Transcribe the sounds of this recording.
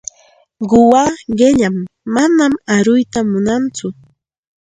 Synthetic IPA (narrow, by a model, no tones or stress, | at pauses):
ɢʊwaɢeʎamːanamaɾʊjt̪amʊnant͡sʊ